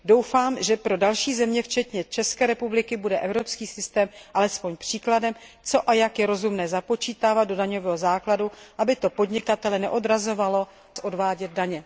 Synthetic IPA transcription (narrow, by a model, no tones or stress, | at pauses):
do̞wfaːmʒɛpɾo̞dalʃiːzɛmɲɛft͡ʃɛt̪ɲɛt͡ʃɛskɛːɾɛpublɪkɪbudɛʔɛvɾo̞pskiːsɪst̪ɛːmʔalɛspo̞ɲpr̝̥iːkladɛm | t͡so̞ʔajakjɛɾo̞zumnɛːzapo̞t͡ʃiːt̪aːvad̪̚do̞daɲo̞vɛːɦozaːkladuʔabɪt̪o̞po̞dɲɪkat̪ɛlɛnɛ̰ʔo̞dɾazo̞valo̞ | sʔo̞dvaːɟɛd̪̚daɲɛ